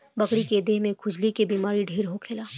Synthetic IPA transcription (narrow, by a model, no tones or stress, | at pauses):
bɐkɽiked̪eːɦmẽkʰʊd͡ʒlikebiːmaːɾiɖʱeːɾɦokʰeːlaː